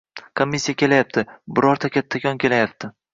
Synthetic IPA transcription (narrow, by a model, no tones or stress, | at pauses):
kʰomʲːisʲːijakʲʰe̞lajap̚t̪ʰɪbɪɾɒɾt̪ʰakʲʰat̪ʰːakʲʰɒnkʲʰe̞lajap̚t̪ʰɪ